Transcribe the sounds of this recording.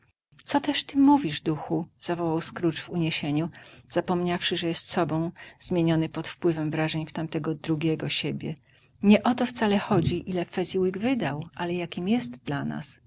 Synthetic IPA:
t̪sɔt̪ɛʂt̪ɘmuvʲiʐvd̪uxuz̥avɔwawskɾut͡ʂvuɲeɕeɲuz̥apɔmɲafʂɘʐɛjɛst̪sɔbɔ̃w̃zmʲjeɲɔnɘpɔt̪fpwɘvɛmvɾaʐɛɲft̪amt̪ɛɡɔd̪ɾuɡʲɛɡɔɕebʲjɛ | ɲɛʔɔt̪ɔft̪salɛxɔd͡ʑiʔilɛfɛzʲiwiɡvɘd̪awʔalɛjakʲimjɛst̪d̪lana̰s

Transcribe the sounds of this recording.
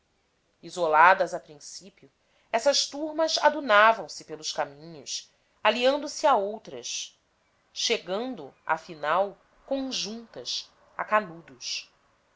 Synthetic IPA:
izolad̪ɐzapɾĩsipiʊ | ɛsɐʃt̪uɾmɐza̰d̪unavɐ̃w̃sɪpelʊʃkamĩɲʊs | aliɐ̃nd̪ʊsiaowt̪ɾɐs | ʃeɡɐ̃nd̪ʊa̰finaw | kõʒũnt̪ɐs | a̰kanud̪us

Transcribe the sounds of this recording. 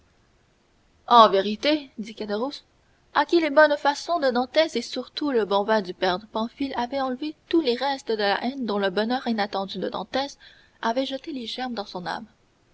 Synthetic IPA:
ɑ̃veʁit̪ed̪ikad̪əʁus | akʲilebɔnfasɔ̃d̪əd̪ɑ̃t̪ɛsesyʁt̪uləbɔ̃vɛ̃d̪ypɛʁd̪pɑ̃filavɛɑ̃lvet̪uleʁɛst̪əd̪əla̰ʔɛnd̪ɔ̃ləbɔnœːʁinat̪ɑ̃d̪yd̪əd̪ɑ̰̃t̪ɛs | avɛʒət̪eleʒɛʁmd̪ɑ̃sɔ̃na̰m

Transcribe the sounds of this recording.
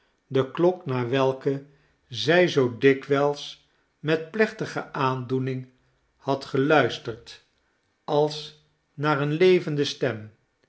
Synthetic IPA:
dəklɔknaːɹʋɛlˠkə | zɛjzowdɪkʋɛlˠs | mɛtplɛχtəχə̰ʔaːndunɪŋ | hɑtχəlœɥstəɹt | ɑlˠs | naːɹənlejvəndəstɛm

